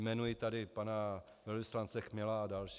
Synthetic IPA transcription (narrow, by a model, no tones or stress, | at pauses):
mɛnujɪt̪adɪpana | vɛlvɪslant͡sɛxmɪlaːdalʃ